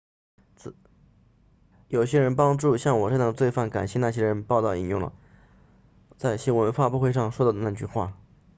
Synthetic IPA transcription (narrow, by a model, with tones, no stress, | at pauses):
jo˨˩ʊɕjɛ˥ɻə˧˥npɑ˥ŋʈ͡ʂu˥˧ɕjɑ˥˩ŋwɔ˨˩ʂɤ˥˩˥ət͡swe˥˧ɪfa˥˩nka̰˨˩nɕjɛ˥˧na˥˩ɕ̬jɛ˥ɻə˧˥npɑ˥˧ʊt̪ɑ˥˩ʊḭ˥˩njʊ˥˩ŋlə̰˩ | t͡sa˥˩ɪɕjɛ˥wə˧˥nfa˥˧pu˥˧xwe˥˧ɪʂ̬ɑ˥˧ŋʂwɔ˥t̪ɑ˥˩ʊd̪ə˩na˥˧˩t͡ɕy˥˧xwa̰˥˩